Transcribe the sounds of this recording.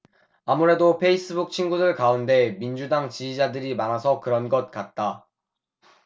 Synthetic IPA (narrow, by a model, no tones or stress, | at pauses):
amuɾe̞dopʰe̞is͈ɯbuk̚t͡ɕʰinɡudɯɭkaunde̞mind͡ʑudaŋt͡ɕid͡ʑid͡ʑadɯɾimanasʰʌkɯɾʌnɡʌt̚k͈at̚t͈a